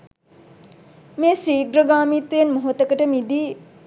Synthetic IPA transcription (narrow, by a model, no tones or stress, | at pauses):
meːsɾiːɡɾəɡaːmit̪ʋejenmoɦot̪əkəʈəmid̪iː